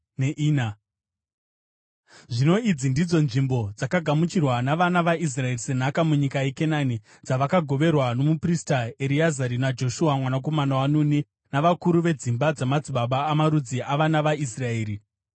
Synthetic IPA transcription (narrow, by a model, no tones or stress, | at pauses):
neʔiːna | ʐino̞id͡zindid͡zo̞nʐimbo̞d͡zakaɡʱamut͡ʃirwanaʋanaʋaʔis̬rae̞rise̞n̤akamuɲikajeke̞nani | d͡zaʋakaɡʱo̞ʋe̞rwano̞mupristaeɾiazaɾinad͡ʒo̞ʃuamwanak̬o̞manawanuni | naʋakuɾuʋe̞d͡zimbad͡zamad͡ziɓaɓaːmaɾud͡ziʔaʋanaʋais̬rae̞ːɾi